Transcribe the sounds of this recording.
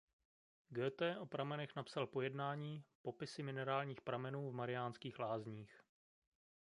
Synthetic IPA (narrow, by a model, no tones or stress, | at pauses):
ɡɛːt̪ɛːʔo̞pɾamɛnɛxnapsalpo̞jɛdnaːɲiːpo̞pɪsɪmɪnɛɾaːlɲiːxpɾamɛnuːvmaɾɪjaːnskiːxlaːzɲiːx